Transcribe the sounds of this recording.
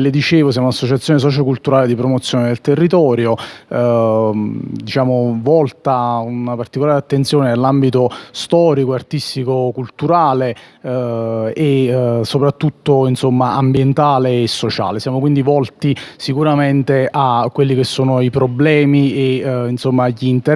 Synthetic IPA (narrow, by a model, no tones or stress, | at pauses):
led̪it͡ʃeːvos̬jaːmonasːot͡ʃat̪sːjones̬ɔːt͡ʃokult̪uɾaːled̪ipɾomot̪sjoːned̪elt̪erːit̪ɔːɾjo | d̪it͡ʃaːmovɔlt̪aunapart̪ikolaːɾeat̪ːent̪sjoːnenelːambit̪ost̪ɔːɾikoart̪ist̪ikokult̪uɾaːle | esopɾat̪ːut̪ːoinsomːaambjent̪aːleːsːot͡ʃa̰ːlesjaːmokwind̪ivɔlt̪isikuɾament̪eʔakːwelːik̟esːoːnoipɾoblɛːmieinsomːaːʎːint̪e